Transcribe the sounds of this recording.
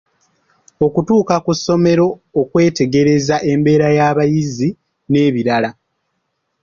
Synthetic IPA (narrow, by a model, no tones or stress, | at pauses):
o̞kutuːkakusːo̞me̞ɾo̞ːkwe̞ːte̞ɡe̞ɾe̞zaʔe̞mbe̞ːɾajaːβajizi | ne̞ːβiɾala